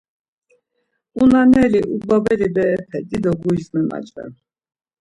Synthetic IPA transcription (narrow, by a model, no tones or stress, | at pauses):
unanɛliʔubabɛlibɛːpʰɛd̪id̪ɔɡujzmɛma̰t͡ʃʼvɛ̰n